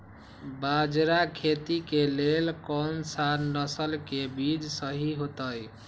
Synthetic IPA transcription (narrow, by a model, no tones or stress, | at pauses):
bad͡ʒɾakʰet̪ikelelkɔnsaɾnəsəlkebid͡ʒsəɦiɦot̪əj